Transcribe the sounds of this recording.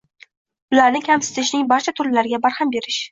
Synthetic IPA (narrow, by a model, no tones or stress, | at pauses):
bʊlaɾnɪkʲʰamsɪ̥t̪ʰɪʃnɪŋbaɾt͡ʃʰat̪ʰʊɾlɪlaɾɪɡʲabaɾhambe̞ɾɪʃ